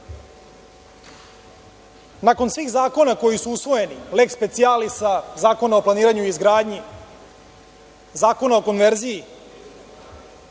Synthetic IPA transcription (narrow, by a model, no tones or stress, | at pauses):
nako̞nsʋiːxzaːko̞nako̞jisuusʋo̞je̞nilekspe̞t̪sijalisazaːko̞naoplˠaniːɾaɲuizɡɾaːd̪ɲi | zaːko̞nao̞ko̞nʋeɾziji